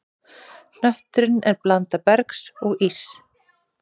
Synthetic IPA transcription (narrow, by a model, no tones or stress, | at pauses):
n̥œht̪ɾʏnɛɾplant̪apɛɾksɔɣis